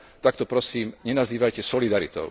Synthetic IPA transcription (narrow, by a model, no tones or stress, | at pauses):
t̪ak̚t̪ɔpɾɔsiːmɲɛnaziːʋajcɛsɔlid̪aɾit̪ɔ̰ʊ